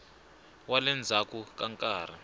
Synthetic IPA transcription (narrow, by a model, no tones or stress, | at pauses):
walɛnd͡zʱakukaŋkʼaːr̤a